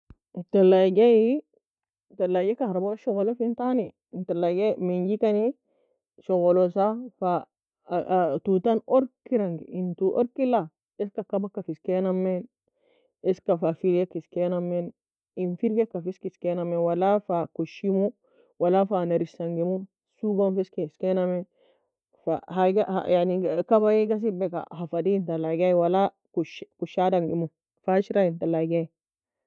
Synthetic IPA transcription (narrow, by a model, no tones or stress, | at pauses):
ntalːaɡeji | talːaɡekaɾaboʃoɣlofintanintalːaɡemiɲɟikani | ʃoɣolosafa | tutanoɾkiɾaŋɡḭintuʔo̰ɾkila | eskakabakːafiskenamːen | eskafafiɾɡekiskenamːen | infiɾɡekːafiskiskenamewalafakoʃimu | walafanaɾisaŋɡimu | suɡonfiskiskenamen | fahaɡaha̰janikabajiɡas̬ibeka̰hafadiintalaɡaiwala | kuʃkuʃadaŋɡimu | faʃiɾajintalaɡai